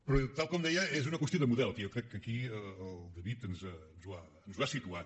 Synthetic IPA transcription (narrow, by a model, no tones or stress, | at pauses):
pɾɔt̪alˠkɔmd̪ɛjɐezunɐkwəst̪joðd̪əmuðɛlˠt̪iewkɾɛkːəkiəːlˠd̪əβit̪ənzənzβa | nuzβasit̪ua